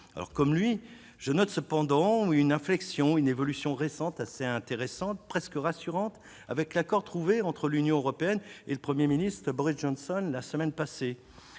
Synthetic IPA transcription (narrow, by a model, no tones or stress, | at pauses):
a̰lɔ̰ʁkɔmlɥi | ʒ̥ənɔt̪səpɑ̃d̪ɑ̃ynɛ̃flɛksjɔ̃ynevɔlysjɔ̃ʁesɑ̃t̪aseɛ̃t̪eʁɛsɑ̃t̪̚pχɛskəʁasyʁɑ̃t̪ | a̰vɛklakɔʁt̪χuveɑ̃t̪χəlynjɔ̃øʁɔpeɛneləpχəmjeminist̪χəbɔʁisʒɔnsɔnlasəmɛnpase